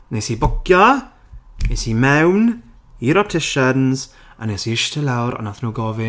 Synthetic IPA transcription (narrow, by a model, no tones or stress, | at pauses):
nesiːbʊkʰjɔ | nesiːmɛwn | iːɾɔp̚tʰɪʃənz̥ | a̰nesiɪʃtʰəlawɾa̰naθnoɡɔvɪ